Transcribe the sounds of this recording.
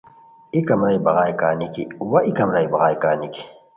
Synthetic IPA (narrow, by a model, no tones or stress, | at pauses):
ikɐmɾɐibɐɣaːjkaːnikiwɐʔikɐmɾɐjbɐɣaːjkaːniki̥